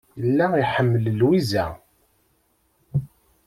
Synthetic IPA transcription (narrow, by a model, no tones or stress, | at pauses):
jəlːæiħəmːələlwizæ̰